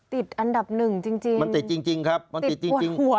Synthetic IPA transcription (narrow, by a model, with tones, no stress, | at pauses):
t̪i˨˩t̪̚ʔa˧nda˨˩p̚nɯ˨˩ŋt͡ɕi˧ŋt͡ɕi˧ŋma˧nt̪i˨˩t̪̚t͡ɕi˧ŋt͡ɕi˧ŋkʰa˦˥p̚ma˧n˨i˨˩t͡ɕi˧˩˧i˧ŋu˨˩˦